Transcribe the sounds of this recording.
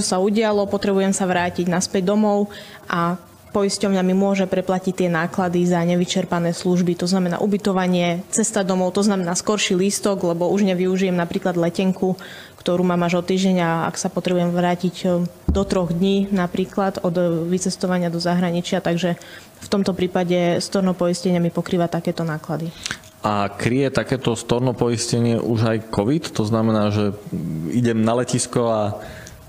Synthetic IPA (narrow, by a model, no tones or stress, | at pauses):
ɔsauɟɪalɔpɔt̪ɾɛbujɛmsaʋɾaːciɟnaspɛɟd̪ɔmɔʊ | ʔa | pɔiscɔʊɲamimʊɔʒɛpɾɛplacict̪ɪɛnaːklad̪izaɲɛʋit͡ʃɛɾpanɛːsluʒbit̪ɔznamɛna̰ːʔubit̪ɔʋaɲɪɛt͡sɛst̪ad̪ɔmɔʊt̪ɔznamɛnaːskɔɾʃiliːst̪ɔɡlɛbɔuʒɲɛʋiuʒijɛmnapɾiːklad̪lɛcɛŋkʰu | kt̪ɔɾuːmaːmaʒɔt̪ːiːʒɟɛɲaa̰ksapɔt̪ɾɛbujɛmʋɾaːciɟ | d̪ɔt̪ɾɔɣd̪ɲiːnapɾiːklad̪ɔd̪ʋit͡sɛst̪ɔʋaɲɪad̪ɔzaɦɾaɲit͡ʃɪat̪aɡʒɛ | ft̪ɔmt̪ɔpɾiːpaɟɛst̪ɔɾnɔpɔiscɛɲɪɛmipɔkɾiːʋat̪akɛːt̪ɔnaːklad̪i | akɾijɛt̪akɛːt̪ɔst̪ɔɾnɔpɔiscɛɲɪɛʔuʒajkɔʋit̪ːɔznamɛnaːʒɛiɟɛmnalɛciskɔa